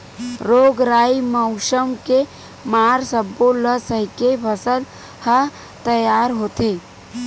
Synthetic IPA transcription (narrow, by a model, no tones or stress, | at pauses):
ɾoːɡɾaːiməʊʃəmke | maːɾsəbːoləsəɦɪkepʰəsəl | hə | t̪əjaːɾɦoːt̪eː